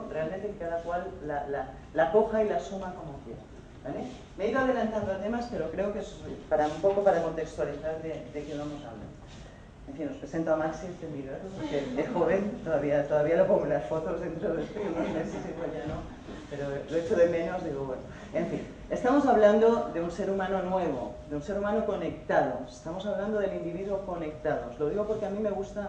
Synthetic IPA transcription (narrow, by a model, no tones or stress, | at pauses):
realment̪ekkaðakwalːaːaː | ako̞xailasumakomoθjeɾ | bale | me̞iðoað̞e̞lant̪and̪oat̪e̞maspe̞ɾo̞kɾe̞okespaɾaumpoko̞paɾako̞nt̪ekst̪waliθaððed̪ekeβamo̞saβla̰ɾ | eɱfinːo̞spɾesent̪oamaksist̪emiðeɾooɾkeexoβeŋt̪oðaβiat̪o̞ðaβialopoŋɡolasfo̞t̪o̞zðe̞nt̪ɾoðeespunozme̞sesepoʎano | peɾoloet͡ʃoðe̞mẽ̞no̞zðiɣoβweno | eɱfḭn | e̞st̪amo̞saβland̪o̞ðe̞unseɾumãno̞nwe̞β̞oðeunse̞ɾumãnoko̞ne̞kt̪að̞oest̪amo̞saβland̪oðe̞lind̪iβiðuoko̞ne̞k̚t̪aðo̞zlo̞ð̞iɣo̞po̞ɾkeamĩme̞ɣust̪a